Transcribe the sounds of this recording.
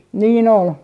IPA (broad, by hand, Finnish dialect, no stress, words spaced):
niːn ol